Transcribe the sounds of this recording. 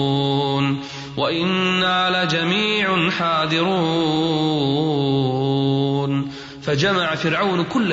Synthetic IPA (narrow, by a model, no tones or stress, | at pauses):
n | waʔɪnːaːlad͡ʒamiːʕnħaːd̪ˤɨɾu | n | fad͡ʒamaʕafɪɾʕawnkʊlː